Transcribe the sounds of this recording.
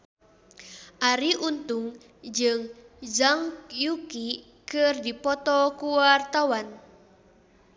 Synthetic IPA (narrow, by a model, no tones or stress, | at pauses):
ʔaɾiʔunt̪uŋ | d͡ʒɨŋd͡ʒaŋkjuki | kɨrdipɔt̪ɔkuwart̪awan